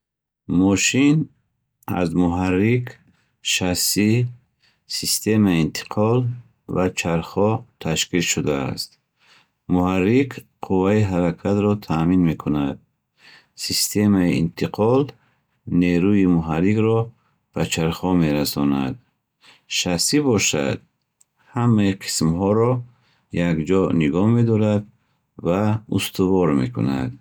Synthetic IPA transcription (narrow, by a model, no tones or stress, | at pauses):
mɔʃin | a̰zmuɦarːik | ʃasi | sist̪ʰe̞maiint̪ʰi̥qʰɔl | vat͡ʃʰaɾχɔt̪ʰaʃkilʃud̪a̰ːst̪ | muharːikqʰuvaiɦaɾakʰat̪ɾɔt̪ʰaminme̞kʰunad̪̚ | sist̪ʰe̞maiḭnt̪ʰiqʰɔl | neɾuimuɦaɾiɡɾɔ | b̥at͡ʃʰaɾχɔme̞ɾasɔna̰d̪̚ | ʃasibɔʃa̰d̪̚ | hamːaiqʰi̥smhɔɾɔ | jaɡd͡ʒɔniɡɔhme̞d̪ɔɾad̪ | vaust̪ʰuvɔɾme̞̰kʰṵna̰d̪